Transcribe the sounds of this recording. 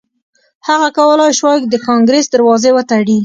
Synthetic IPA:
haɣakawəlɑjʃwɑjkd̪əkɑŋɡɾesd̪əɾwɑzewət̪aɽi

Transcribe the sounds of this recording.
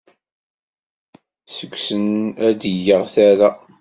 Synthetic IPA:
səkʷːsənæd̪əjəʁθæɾa

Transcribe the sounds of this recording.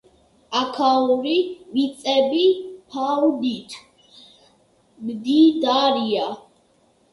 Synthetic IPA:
akʰauɾimit̪sʼɛbipʰawd̪it̪ʰ | md̪id̪aɾia

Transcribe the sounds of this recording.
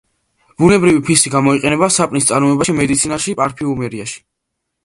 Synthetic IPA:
b̥unɛbɾivipʰisiɡamɔiqʼɛnɛbasapʼnist̪sʼaɾmɔɛbaʃimɛd̪it̪sʰinaʃipʼaɾpʰiumɛɾiaʃi̥

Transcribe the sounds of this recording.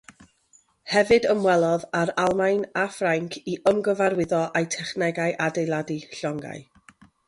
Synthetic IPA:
hɛvɨdəmwɛlˠɔðaɾalˠmajnafraŋkʰiʔəmɡəvaɾwɪðɔʔajtʰɛχnɛɡajʔadejlˠadiɬɔŋɡa̰j

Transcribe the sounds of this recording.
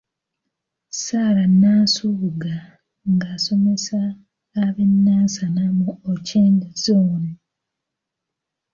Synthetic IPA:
saːlanːasuβuɡa | ŋɡaːso̞me̞saː | βenːaːsanamuoceːndazoːna

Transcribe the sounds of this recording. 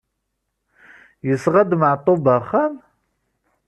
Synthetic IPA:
jɪsʁɐd̪maʕt̪ʼobaχɐn

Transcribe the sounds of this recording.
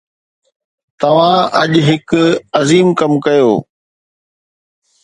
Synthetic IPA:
t̪ɐʋ̤ãɐʄɦɪkɐziːmkɐmkɐjoː

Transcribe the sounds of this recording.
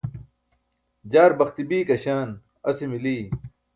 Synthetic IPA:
d͡ʑaːɾbɐxt̪ibiːkɐɕaːn | ɐsimiliː

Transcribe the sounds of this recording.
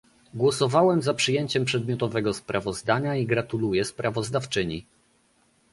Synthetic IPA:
ɡwɔsɔvawɛmzapʂɘjeɲt͡ɕɛmpʂɛd̪mʲjɔt̪ɔvɛɡɔspɾʔavɔzd̪aɲaiɡɾat̪ulujɛspɾavɔzd̪aft͡ʂɘɲi

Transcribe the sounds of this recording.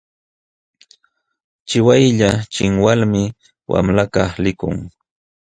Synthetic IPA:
t͡ʃɪwajʎat͡ʃɪŋwalmɪ | wʔa̰mlakɑχlɪkʊŋ

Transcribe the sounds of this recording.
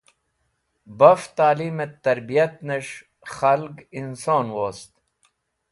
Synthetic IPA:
bɐft̪aːliːmet̪ːɐɾbijɐt̪nɐʂ | xɐlɡinsoːnwoːst̪

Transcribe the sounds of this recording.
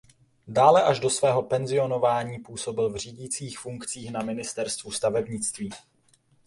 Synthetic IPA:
daːlɛʔaʒdo̞svɛːɦo̞pɛnzɪo̞no̞vaːɲiːpuːso̞bɪlvr̝iːɟiːt͡siːxfuŋkt͡siːxnamɪnɪst̪ɛɾst̪vust̪avɛbɲɪt͡st̪viː

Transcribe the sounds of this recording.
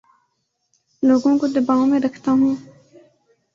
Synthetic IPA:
loːɡõkod̪ɐbaːõmẽɾɐkʰt̪aɦũː

